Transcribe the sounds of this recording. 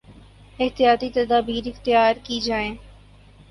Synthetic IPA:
ɪht̪ijaːt̪it̪ɐd̪aːbiːɾɪxt̪ɪjaːɾkid͡ʒaːẽː

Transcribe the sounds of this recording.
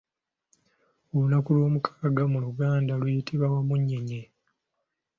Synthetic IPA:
olunakuloːmukʰḁɡamuluɡaːndalujitʰiβawamuɲːe̞ɲe

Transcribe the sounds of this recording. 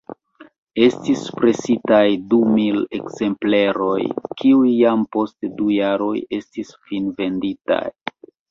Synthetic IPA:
e̞stispɾe̞sitajdumile̞̰kz̥e̞mpleɾo̞jkiujːampo̞stdujaɾo̞je̞stisfinve̞ndita̰j

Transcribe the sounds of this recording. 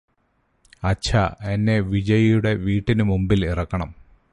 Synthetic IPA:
ɐt͡ɕʰɐenːe̞ʋid͡ʑɐjɐjuɽe̞ʋiːʈːinɨmumbilirɐkːɐɳɐm

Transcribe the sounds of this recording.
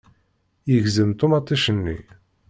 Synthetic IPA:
jəʝzəmt̪umɑt̪ˤːiʃənːḭ

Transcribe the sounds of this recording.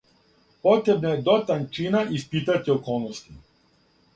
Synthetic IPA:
pɔt̪ɾɛbnaɛd̪ɔt̪ant͡ʃinaʔispit̪at̪ʲiɔkɔlˠnɔst̪i

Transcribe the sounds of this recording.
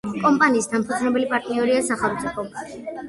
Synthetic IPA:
kʼɔmpʼaniːsd̪ampʰud̪znɛbɛlipʼaɾt̪ʼniɔɾiasaχɛlˠmt̪sʼipʰɔ

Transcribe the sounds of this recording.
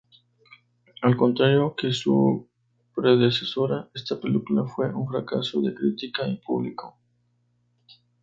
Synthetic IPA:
alko̞nt̪ɾaɾjokesṵ | pɾeðeseso̞ɾaest̪apelikulafwe̞ʔuŋfɾakasoðekɾit̪ikaipuβliko

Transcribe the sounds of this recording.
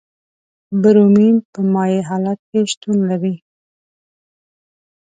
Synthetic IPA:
baɾominpəmɑjeɦɑlat̪̚keʃt̪unlaɾi

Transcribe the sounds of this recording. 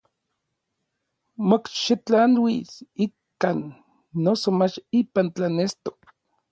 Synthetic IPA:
mokʃit͡ɬanwisikkanː | osomat͡ʃipant͡ɬanest̪ok̚

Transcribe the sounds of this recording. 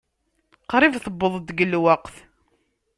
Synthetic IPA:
qɾˤivθəbːəðˤd̪ɡəlwəqθ

